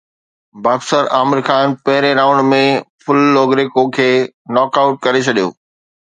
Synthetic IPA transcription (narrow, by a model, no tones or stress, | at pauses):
baːbsəɾaːmɪɾxaːnpɐɦɪɾeɾãːʊ̃ɳɖmẽfʊlːoːɡɾekokʰeːnɔːkaʊʈ̚kɐɾet͡ɕʰɐɗijo̰ː